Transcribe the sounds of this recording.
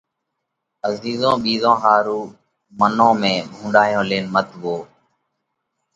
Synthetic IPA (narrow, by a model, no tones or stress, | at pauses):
əziːzõːɓiːzõːɦaːɾuː | mənõːmẽːbʱũːɳɖaːjõːleːnmət̪ʋoː